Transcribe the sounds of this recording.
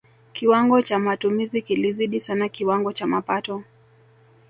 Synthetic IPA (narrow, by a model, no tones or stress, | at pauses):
kiwaŋɡɔt͡ʃamatumizikiliziɗisanakiwaŋɡɔt͡ʃamapatɔ